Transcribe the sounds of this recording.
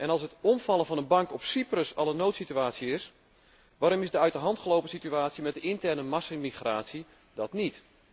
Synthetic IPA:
ʔɛnɑlˠsətɔmfɑlˠənvɑnənbɑŋkɔpsiprəsɑ̰lˠənːowtsityaːtsiɪs | ʋaːɾɔmɪzdəœɥtərɦɑntχəlowpəsityaːtsimɛt̚dəɪntɛrnəmɑsɪmixraːtsi | dɑtnit

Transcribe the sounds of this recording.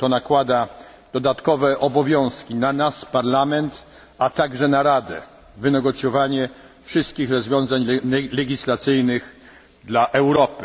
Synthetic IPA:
t̪ɔnakwad̪a | d̪ɔd̪at̪kɔvɛʔɔbɔvʲjɔ̃w̃skʲinanaspaɾlamɛnt̪ | at̪aɡʐɛnaɾad̪ɛ̰ | vɘnɛɡɔt̪sʲjɔvaɲɛ | fʂɘst̪̚kʲixɾɔzvʲjɔ̃w̃zaɲlɛlɛɡʲislat̪sɘjnɘx | d̪laʔɛwɾɔpɘ̥

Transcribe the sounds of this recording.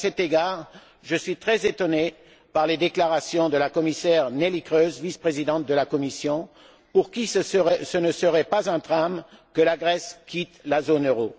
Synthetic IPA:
asɛt̪eɡaʁ | ʒəsɥit̪χɛzet̪ɔne | paʁled̪eklaʁasjɔ̃d̪əlakɔmisɛʁnelikʁøzvispχezid̪ɑ̃t̪̚d̪əlakɔmisjɔ̃ | puʁkʲiɛsənəsəʁɛpazɛ̃t̪ʁamkəlaɡʁɛskʲit̪lazonøʁo

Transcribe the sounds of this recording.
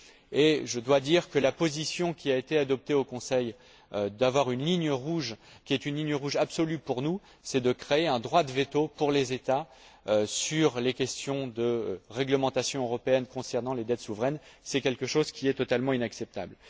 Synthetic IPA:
eʒəd̪wad̪iʁkəlapozisjɔ̃kʲiaet̪ead̪ɔp̚t̪eokɔ̃sɛj | ød̪avwaʁynliɲjəʁuʒkʲiɛt̪ynliɲjəʁuʒabsɔlypuʁnu | sɛd̪əkχeeɛ̃d̪ʁwad̪əvet̪opuʁlezet̪a | øsyʁlekʲɛst̪jɔ̃d̪əʁɛɡləmɑ̃t̪asjɔ̃øʁɔpeɛnkɔ̃sɛʁnɑ̃led̪ɛt̪suvʁɛnsɛkʲɛlkəʃozkʲiɛt̪ɔt̪almɑ̃inaksɛp̚t̪a̰bl

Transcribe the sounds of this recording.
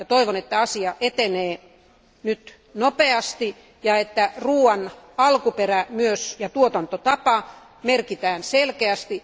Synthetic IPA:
jɑt̪oiʋonet̪ːæɑsiɑʔet̪eneː | nyt̪ | nopeɑst̪i | jɑet̪ːæruːɑnɑlkuperæmyøsjɑt̪uot̪ɑnt̪ot̪ɑpɑ | merkit̪æːnselkeæst̪i

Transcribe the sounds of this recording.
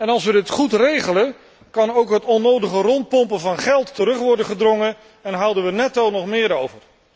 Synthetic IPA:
ɛnɑlˠsʋədɪtχutrejχələ | kɑnowkɦətɔnowdəχərɔnt̚pɔmpəvɑnχɛlˠtːəɾɵχʋɔɹdənχədrɔŋə | ɛnɦʌwdənʋənɛtɑlˠnɔχmɪːɾowvər

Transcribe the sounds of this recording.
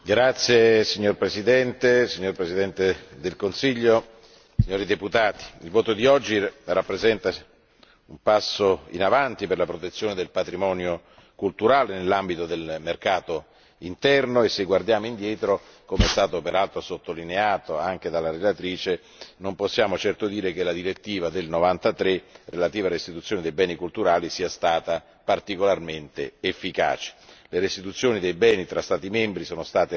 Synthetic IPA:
ɡɾat̪sːjesiɲːorpɾesid̪ɛnt̪esiɲːorpɾesid̪ɛnt̪ed̪elkonsiʎːo | siɲːoːɾid̪eput̪aːt̪i̥ilvoːt̪od̪iɔd͡ʒːirapːɾezɛnt̪a | umpasːoḭnavant̪iperlapɾot̪et̪sːjoːned̪elpat̪ɾimɔːnjo | kult̪uɾaːlenelːambit̪od̪elmerkaːt̪o | int̪ɛrnoeseɡward̪jaːmoind̪jɛːt̪ɾo | komeɛst̪aːt̪opeɾalt̪ɾosot̪ːolineaːt̪oaŋk̟ed̪alːaɾelat̪ɾiːt͡ʃe | nomposːjaːmot͡ʃɛrt̪od̪iːɾek̟elad̪iɾet̪ːiːvad̪elnovant̪at̪ɾerelat̪iːvaɾist̪it̪ut̪sjoːned̪ejbɛːnikult̪uɾaːlisiːast̪aːt̪a | part̪ikolarment̪ḛːfːika̰ːt͡ʃi̥leɾest̪it̪ut̪sːjoːnid̪ejbɛːnit̪ɾʔast̪aːt̪imembɾisoːnost̪aːt̪e

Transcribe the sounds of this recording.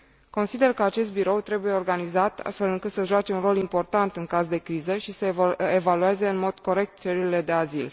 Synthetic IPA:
ko̞nsid̪e̞rkəat͡ʃe̞s̬t̪̚biɾo̞wt̪ɾe̞bujeo̞rɡanizat̪a̰st̪fe̞lɨŋkɨt̪səʒuat͡ʃe̞unro̞limpo̞rt̪ant̪ɨŋkazd̪e̞kɾizəʃisəevalue̞ze̞ɨnmo̞d̪̥ko̞ɾe̞k̚t̪t͡ʃeɾiile̞d̪e̞azil

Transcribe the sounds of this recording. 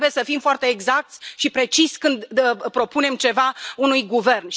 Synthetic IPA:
buje̞səfimfoart̪e̞ːɡzak̚t̪sʲʃipɾe̞t͡ʃisʲkɨnd̪pɾo̞pune̞mt͡ʃe̞vaunujɡuve̞rnʃ

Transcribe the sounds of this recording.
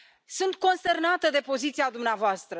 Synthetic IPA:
sunt̪̚ko̞nst̪e̞rnat̪əd̪e̞po̞zit̪siad̪umneavoast̪ɾə

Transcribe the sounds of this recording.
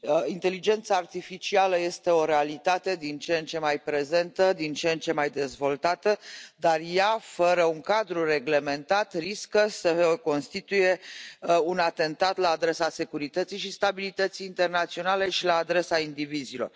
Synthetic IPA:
int̪e̞lid͡ʒe̞nt̪saːrt̪ifit͡ʃialəje̞st̪e̞o̞ɾe̞alit̪at̪e̞d̪int͡ʃent͡ʃe̞majpɾe̞ze̞nt̪əd̪int͡ʃent͡ʃe̞majd̪e̞zvo̞lt̪at̪əd̪arjafəɾəuŋkad̪ɾure̞ɡle̞me̞nt̪at̪riskəsəko̞nst̪it̪uje̞ | unat̪e̞nt̪at̪laːd̪ɾe̞sase̞kuɾit̪ət̪sijʃist̪abilit̪ət̪sijːnt̪e̞rnat̪sio̞nale̞ʃilaːd̪ɾe̞saind̪ivizilo̞̰r

